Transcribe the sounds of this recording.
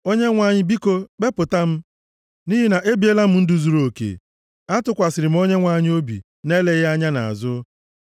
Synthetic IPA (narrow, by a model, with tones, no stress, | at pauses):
o˦ɲe˦ŋʷa˨ɲɪ˦bi˦ko˦k͡pe˦pʊ˨ta˦m̩˦ | ni˦ɦi˦na˨ʔe˦bi˨˦e˦la˦m̩˦n̩˦dʊ˨zu˨ɾo˨kḛ˨ | a˦tʊ˦kʷa˨sɪ˨ɾɪ˨m̩˦o˦ɲe˦ŋʷa˨ɲɪ˦o˦bḭ˨ | ne˦le˦ɣa˦ɲa˦na̰˨a̰˨zʊ˦